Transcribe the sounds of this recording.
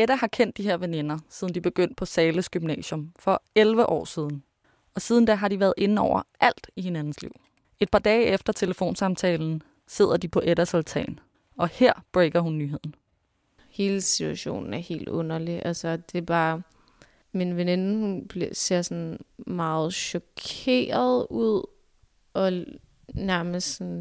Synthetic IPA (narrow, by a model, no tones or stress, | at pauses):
eɾæhɑ̈kʰen̰d̥ːiɦeɐ̰ʋene̝nɐsiðˠn̩d̥ib̥e̝ɡ̥øn̰d̥̚pʰɒ̽sɛːləsɡ̥ymnɛ̰ːɕjɔ̽mfɒ̽elʋəʔɒ̰ːsiːð̞ˠn̩ | ɒ̽siːð̞ˠn̩d̥æɦɑ̈diʋæːɐð̞̩ˠe̝n̩ɒʊ̰ɐʔæl̰d̥ihe̝nænn̩slḭʊ̰ | e̝d̥̚pʰɑ̈ːd̥ɛːefd̥ɐt͡sʰe̝ləfo̝̰ːnsɑ̈mt͡sʰɛːln̩ | se̝ð̞̰ˠɐd̥ipʰɒ̽ʔeɾæsolt͡sʰɛ̰ːn | ɒ̽heɐ̰b̥ʁeɡ̥ɐɦunːyːɦe̝ð̞̰ˠn̩ | he̝ːləsit͡sʰuæɕo̝̰ːnn̩æɐhe̝̰ːld̥ɔ̽nɐliʔælsɒd̥e̝b̥ɑː | minʋene̝nhunb̥lise̝ɐ̰sɒnmɑ̈ːð̞̩ˠɕɒkʰe̝̰ːɐðˠuð̰ˠ | ʔɒ̽ | næɐməstsɔn